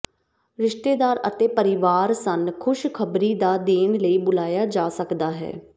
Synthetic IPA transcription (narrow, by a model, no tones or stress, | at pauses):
ɾɪʃʈ̪eːd̪aːɾə̰t̪eːpəɾɪʋaːɾsənkʰʊʃkʰəbɾiːd̪aːd̪eːnləiːbʊlaːjaːd͡ʒaːsəkd̪aːɦɛ̰ː